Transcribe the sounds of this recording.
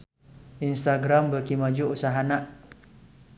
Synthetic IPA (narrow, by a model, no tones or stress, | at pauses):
ʔinst̪aɡɾambəkimad͡ʒuusaɦanaʔ